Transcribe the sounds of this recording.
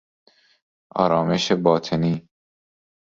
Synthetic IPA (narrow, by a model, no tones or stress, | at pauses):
ʔɒ̰ːɾɒːmeʃebɒːt̪ʰeniː